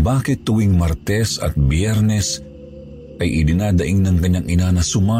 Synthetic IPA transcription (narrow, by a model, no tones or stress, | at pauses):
baːkɪt̪ːʊwiŋmɐɾt̪ɛsɐ̰t̪̚bjɛɾnɛs | ʔɐjʔɪd̪ɪnaːd̪ɐʔiŋnɐŋkɐɲːaŋɪnanɐsʊma